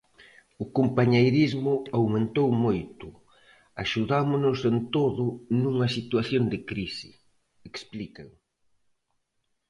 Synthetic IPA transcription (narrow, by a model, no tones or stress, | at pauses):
ʊkompaɲejɾizmʊawmẽnt̪owmojt̪ʊ | aʃuðamʊnʊsent̪oðʊnuŋɐsit̪waθjond̪ɪkɾisɪ̰ | eksplikɐ̰ŋ